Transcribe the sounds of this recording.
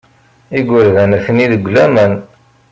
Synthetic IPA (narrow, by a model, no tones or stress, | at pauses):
iɡʷəɾðænæfəniðəɡʷːlæmən